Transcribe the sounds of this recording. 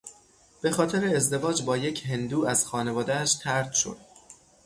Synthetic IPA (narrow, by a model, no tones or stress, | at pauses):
b̥e̞xɒːt̪ʰe̞ɾeːzd̪e̞vɒːd͡ʒbɒːje̞cʰɦe̞nd̪uːæz̥xɒːne̞vɒːd̪ææʃt̪ʰæɾt̪ʃo̞̰d̪̥